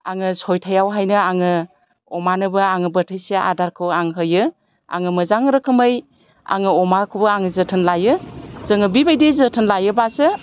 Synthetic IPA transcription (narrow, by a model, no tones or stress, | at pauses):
aŋɯsɔjtʰajawɦajnɯaŋɯ | ɔmanɯbɯaŋɯbətʰɯjseʔa̰daɾkʰɯwaŋɦɯjɯ | a̰ŋɯmɯzaŋɾɯkʰɯmɯj | a̰ŋɯɔmakʰubɯaŋɯzɯtʰɯnlajɯzɯŋɯbibajdezətʰɯnlajɯbasɯ